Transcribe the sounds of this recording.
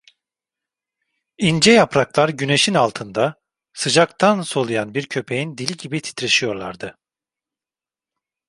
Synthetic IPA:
ind͡ʒɛjapɾaklˠaɾɟyne̞ʃinalˠt̪ʰɯnd̪a | sɯd͡ʒakt̪ʰanso̞lˠujanbiɾcʰø̞pʰe̞jind̪ilʲiɟibit̪ʰi̥t̪ɾiʃijo̞ɾlˠa̰ɾd̪ɯ

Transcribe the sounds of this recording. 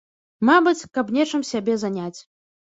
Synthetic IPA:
mabɨt͡sʲkɐpnʲɛt͡ʂɨmsʲabʲɛzanʲat͡sʲ

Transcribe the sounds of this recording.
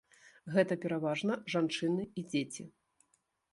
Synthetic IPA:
ɣɛt̪ɐpʲɛɾavaʐnɐʐant͡ʂɨnɨid͡zʲet͡sʲi

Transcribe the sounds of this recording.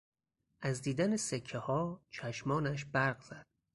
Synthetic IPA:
ʔæzd̪iːd̪ænesekʰːehɒːt͡ʃʰæʃmɒːnæʃ̬bæɾɢz̥æd̪̥̚

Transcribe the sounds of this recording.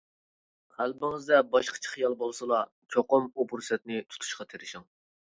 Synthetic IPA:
qælbɪŋɪzd̪ɛbɑʃqʰə̥t͡ʃʰə̥χijɑlˠbolˠsɨlˠɑ | t͡ʃʰoqʊmupʰuɾsɛt̪̚nɪt̪ʰu̥t̪ʰu̥ʃqɑt̪ʰeɾɪʃɪŋ

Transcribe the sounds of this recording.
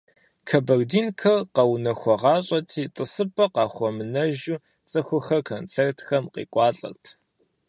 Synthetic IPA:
kʰɐbɐrdiːnkʰɐrqɐwnɐxʷɔʁɑːɕʼɐtʰiːtʼɨsɨpʼɐqɑːxʷɔmɨnɐʒuː | t͡sʼɐxʷʊxɐrkʰont͡sʰertʰxɐmqḭːkʷʼɑːɬʼɐ̰rtʰ

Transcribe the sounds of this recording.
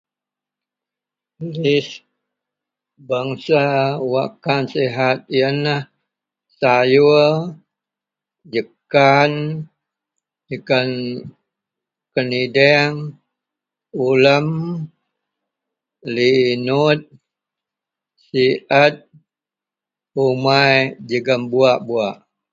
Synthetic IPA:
lis | baŋsawakanseɦat̪̚ijənəh | saju | d͡ʒəkan | d͡ʒəkan | kənidɛŋ | uləm | linut̪̚ | siʔat̪̚ | umajd͡ʒəɡəmbuaʔbuaʔ

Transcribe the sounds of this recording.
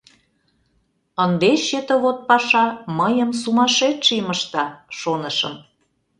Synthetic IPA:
ənd̪eɕet̪ə̆βot̪̚pɑʃɑməjəmsumɑʃet̪ʃiməʃt̪ɑʃonəʃə̰m

